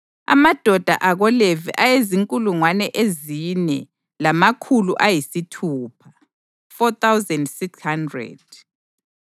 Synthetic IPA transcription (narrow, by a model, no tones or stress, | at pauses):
a̰mad̥ʱɔd̥ʱa̰ʔaɣɔlevḭʔajeziŋkʼuluŋwanɛʔeziɲɛ | lamakʰuluʔajisitʰuːpʰḁ | fɔt̪ʰawzɛndsikshandrɛ̰d̥̚